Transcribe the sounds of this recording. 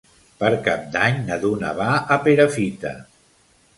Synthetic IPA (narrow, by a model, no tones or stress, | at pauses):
pəɾkap̚d̪aɲnəðuna̰βaʔəpeɾəfit̪ə̰